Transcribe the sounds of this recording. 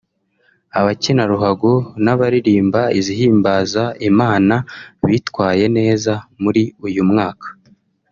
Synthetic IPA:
aβacinaɾuɦaɡonaβaɾiɾiːmbaiziɦiːmbaːzaimaːnaβiːtwaːje̞ne̞ːzamuɾiujumŋaːkʰḁ

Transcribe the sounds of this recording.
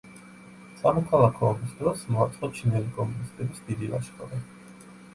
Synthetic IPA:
samɔkʰalˠakʰɔːbisd̪ɾɔsmɔat̪sʼɔt͡ʃʰinɛlikʼɔmunist̪ʼɛbisd̪id̪ila̰ʃkʼɔɾɛ

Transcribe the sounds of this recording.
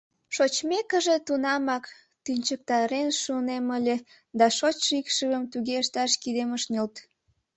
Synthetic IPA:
ʃot͡ɕmekəʒet̪unɑmɑk | t̪ynʲt͡ɕək̚t̪ɑɾenʃuneməlʲe | d̪ɑʃot͡ɕʃikʃəɣəmt̪uɣeəʃt̪ɑʃkid̪eməʃnʲolt̪

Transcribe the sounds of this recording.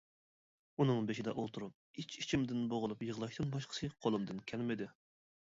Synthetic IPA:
unɨŋbeʃiɪd̪ɛʔolˠt̪ʰuɾup̚it͡ʃit͡ʃʰimd̪ɪnboʁʊlˠupjəʁlˠɑʃt̪ɨnbɑʃqʰə̥sʰɨqʰolˠɨmd̪ɨnkʲʰɛlmɪd̪ɪ

